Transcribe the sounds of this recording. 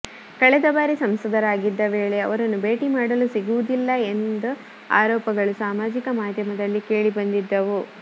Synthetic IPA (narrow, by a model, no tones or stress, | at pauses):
kɐɭɛd̪ɐbaːɾisɐmsɐd̪ʱɐɾaːɡid̪ːɐʋeːɭeɐ̰ʋɐɾɐnːube̞ːʈimaːɽɐlusiɡuʋud̪ilːɐend̪u | a̰ːɾɔːpɐɡɐɭusaːmaːd͡ʒikɐmaːd̪ʱjɐmɐd̪ɐlːike̞ːɭibɐnd̪id̪ːɐʋu